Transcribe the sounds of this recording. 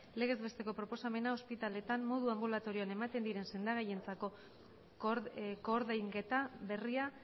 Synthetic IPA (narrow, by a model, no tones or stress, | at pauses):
le̞ɣ̞e̞zβe̞st̪e̞ko̞pɾo̞po̞same̞nao̞spit̪ale̞t̪amːo̞ðuambulat̪o̞ɾioane̞mat̪e̞nd̪iɾe̞nse̞nd̪aɣ̞aje̞nt͡sako̞ | koɾðejŋɡe̞t̪aβe̞ria